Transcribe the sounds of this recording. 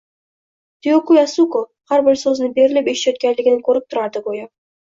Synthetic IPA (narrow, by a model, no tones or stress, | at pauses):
t̪ʰɪjokujasuko | haɾbɪɾsɵznɪbe̞ɾɪlɪpeʃt̪jɒt̪̚kʲanlɪɡʲɪnɪkʰɵɾɪp̚t̪ʰʊɾaɾd̪ɪɡoja